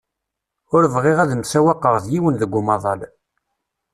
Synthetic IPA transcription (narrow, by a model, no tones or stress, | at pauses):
ʊɾəvʁeʁæðəmsæwɑqːəʁˤðjiwənðəɡʷːʊmɑðˤɑl